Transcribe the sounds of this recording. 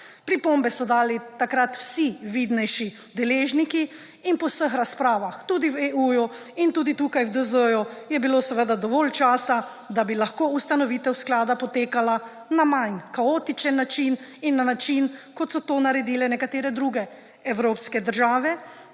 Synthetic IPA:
pɾipombɛsɔd̪aːlit̪akɾat̪w̥siʋid̪nɛjʃi | d̪ɛleːʒniki | inpɔwsəxɾaspɾaːʋaxt̪uːd̪iweuːjuint̪ud̪it̪ukajwd̪əzəjujɛbilosɛʋəd̪ad̪ɔʋɔlt͡ʃaːsa | d̪abilaxkoust̪anɔʋiːt̪ɛwsklaːd̪apɔt̪eːkala | namajnkaot̪it͡ʃɛnːat͡ʃininːanat͡ʃinkɔt̪sɔt̪oːnaɾɛd̪iːlɛnɛkat̪eːɾɛd̪ɾuɡɛ | ɛwɾoːpskɛd̪əɾʒaːʋɛ

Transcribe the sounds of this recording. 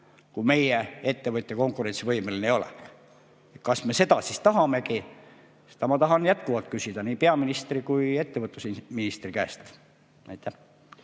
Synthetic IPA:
kume̞jee̞t̪ːe̞vɤt̪ʲːeko̞ŋkˑuɾe̞nsivɤjmelinejo̞lḛ | et̪kɑsme̞se̞d̪̥ɑsist̪ɑɦɑme̞ki | se̥d̪̥ɑmɑt̪ɑɦɑnjæt̪kuvɑlt̪̚kysʲid̪̥ɑniːpe̞ɑminist̪rikuje̞t̪ːevɤt̪ːˑusminist̪rikæest̪ | næ̰jt̪ˑːæh

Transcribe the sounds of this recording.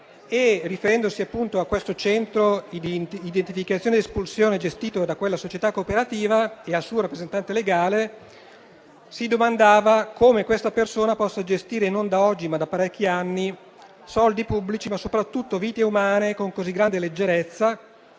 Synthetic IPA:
erːifeɾɛnd̪osiapːunt̪oakːwest̪ot͡ʃɛnt̪ɾo | id̪ent̪ifikat̪sːjoːned̪espulsjoːned͡ʒest̪iːt̪od̪akwelːasot͡ʃet̪akːopeɾat̪iːvaealsuːoɾapːɾezent̪ant̪eleɡaːle | sid̪omand̪aːvakomekwest̪apersoːnapɔsːad͡ʒest̪iːɾenond̪aɔd͡ʒːimad̪apːaɾɛk̟ːianːi | sɔld̪ipubːlit͡ʃimasːopɾat̪ːut̪ːoviːt̪eumaːnekoŋkoziɡːɾand̪eled͡ʒːeɾet̪sːa

